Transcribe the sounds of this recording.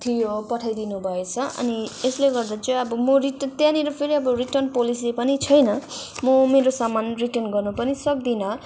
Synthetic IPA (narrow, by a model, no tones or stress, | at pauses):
t̪ʰijopʌʈʰajd̪inubʱʌet͡sʰʌʔʌ̰niesleɡʌrd̪at͡sʌʌbʌmoriʈʌt̪jãniɾʌpʰeɾiʌbʌriʈʌrnpolis̬epʌnit͡sʰʌjnʌ | mʌmeɾosamanriʈʌrnɡʌrnupʌnisʌk̚d̪inʌ